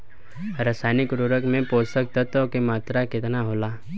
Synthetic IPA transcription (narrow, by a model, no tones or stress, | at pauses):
ɾaːsaːnɪkɾoːɾəkmẽpoːsək̚t̪ət̪ːokemaːt̪ɾakɪt̪naɦoːlaː